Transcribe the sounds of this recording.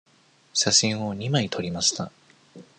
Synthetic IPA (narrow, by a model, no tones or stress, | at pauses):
ɕaɕĩɰ̃o̞ɲ̟imait̪ʰo̞ɾʲimaɕi̥t̪a̰